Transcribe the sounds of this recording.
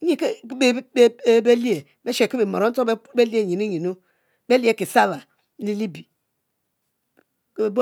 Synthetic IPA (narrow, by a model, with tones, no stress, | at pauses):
i˦ke˦e˦be˦li˦e˨ | be˦ʃe˨ki˦be˨mo̰˨ɾo˦n̩˦to˦be˦be˦li˦e˨ɲi˨nu˦ɲi˨nu˦ | be˦li˦e˦˨ki˨sa˦βa˨ | li˦li˦bi˨˦˨ | bo˦